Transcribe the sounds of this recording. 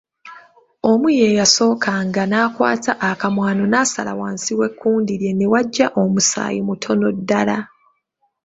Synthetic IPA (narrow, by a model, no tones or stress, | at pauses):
o̞muje̞ːjaso̞ːkʰaŋɡanaːkwa̰ːtʰaʔakamwaːno̞nasala̰waːnsiwe̞kʰːuːndiɾje̞newaɟːaʔo̞musa̰ːjimutʰo̞no̞dːala